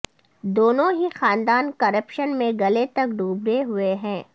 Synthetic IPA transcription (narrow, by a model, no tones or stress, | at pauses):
d̪oːnõɦixaːnd̪aːnkɐɾəpʃənmẽɡɐlet̪ɐkɖuːbɾeɦʊeɦɛ̃ː